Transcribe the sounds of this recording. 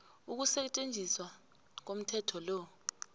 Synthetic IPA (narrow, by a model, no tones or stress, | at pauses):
uk̬usɛt͡ʃʼend͡zʱiswa | k̬om̩tʰɛtʰɔlɔ